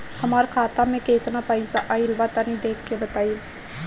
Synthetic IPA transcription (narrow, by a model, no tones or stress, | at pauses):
həmaːɾkʰaːt̪ãːmẽːkeːt̪naːpəisaːʔaɪlʋaːt̪aniːd̪eːkʰkeːbət̪aːiː